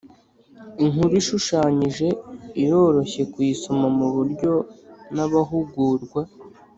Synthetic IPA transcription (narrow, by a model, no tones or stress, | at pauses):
iŋuɾiʃuʃaːɲiʒe̞ijo̞ɾo̞çe̞kwiːsomamuβuɾɟo̞naβaɦuɡuːɾɡwa